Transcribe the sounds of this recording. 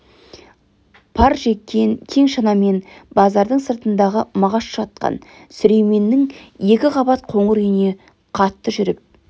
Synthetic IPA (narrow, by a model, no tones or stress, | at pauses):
pʰɑɾʒe̞kʲːe̞ŋkʲʰe̞ŋʃɑnɑme̞nbɑzɑɾd̪əɴsəɾt̪ənd̪ɑʁəmɑʁɑsʃɑt̪̚qɑ̰n | sʏɾe̞jme̞nːɪŋje̞kʲɪʁɑbɑt̪̚qʰo̞ɴəɾʏjɪne̞ | qʰɑt̪ːəʒʏɾɪp̚